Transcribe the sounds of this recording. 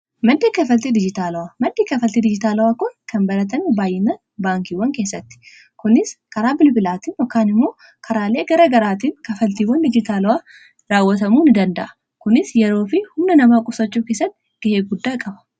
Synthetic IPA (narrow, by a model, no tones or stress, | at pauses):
mɐnd̪iːkɐfɐlt̪id̪ɪd͡ʒɪt̪aːlɐwamɐd̪d̪iːkɐfɐlt̪id̪ɪd͡ʒɪt̪aːlɐwaːkʊnkʰɐnbɐlɐt̪ɐnibaːjɪnɐ | baːŋkiwɐŋkeːsːɐt̪ːɪ̥ | kʊnɪskɐɾaːbɪlbɪlaːt̪iːnjɔkːaːnɪmːo̞ː | kʰɐɾaːle̞ːɡɐɾɐɡɐɾaːt̪iːnkɐfɐlt̪iːwɐnd̪ɪd͡ʒɪt̪aːlɐwaː | ɾaːwːɐt̪ɐmuːnɪd̪ɐnd̪ɐ̰ʔɐ̥ | kʊnɪsjɛɾo̞ːfɪhʊmnɐnɐmaːkʼʊsɐt͡ʃːuːkeːsːɐt̪ːɪɡ̥ɐheːɡʊd̪ːaːkʼɐbɐ̥